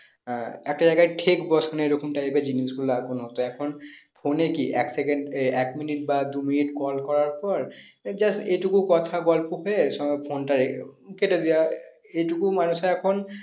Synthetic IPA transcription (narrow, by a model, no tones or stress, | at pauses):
ɛk̚tazajɡaʈʰekbɔsʰɔneɹokʰumʈaɹibeziniskulakunɦot̪ɔɛkʰɔnpʰonekiʔɛ̰ksɛkɛnɖɛkminit̚bad̪uminitkɔlkɔɹaɹpɔɹd͡ʒasejtukʊkɔt̪ʰaɡɔlpuɦɔsɔpʰontaɹeketed̪ija | ejtukumanusɛɛkʰɔn